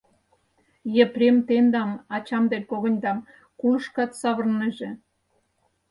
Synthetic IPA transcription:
jĕprʲemt̪end̪ɑmɑt͡ɕɑmd̪elʲkoɣə̆nʲd̪ɑm | kuʃkɑt̪sɑβərnəʒĕ

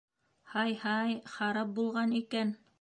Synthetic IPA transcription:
hɑjhɑjχɑɾɑp̚bulˠʁɑnikæn

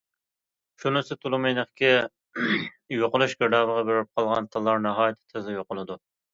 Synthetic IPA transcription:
ʃunɨsɪt̪ʰulˠɨmejnəχkʲʰɪ | joqʊlˠuʃɡʲɪɾd̪ɑːbəʁɑbeɾɪp̚qʰɑlˠʁɑnt̪ʰɨlˠːɑɾnɛɦɑːjɪt̪ʰɪ̥t̪ʰɪzɪjoqʊlˠɨd̪u

